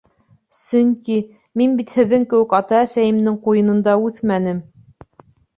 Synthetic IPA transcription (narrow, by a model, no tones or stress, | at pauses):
sɵŋki | minbit̪hɘ̆ðːɘŋkɘ̆wɘkɑt̪ɑæsæjɘ̆md̪ɘŋqujɤ̆nɤ̆nd̪ɑʉθmænɘm